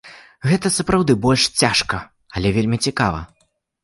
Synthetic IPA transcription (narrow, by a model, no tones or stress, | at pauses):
ɣɛt̪ɐsɐpɾawd̪ɨbɔlʲʂt͡sʲaʂkɐ | ɐlʲɛvʲelʲmʲit͡sʲika̰vɐ̰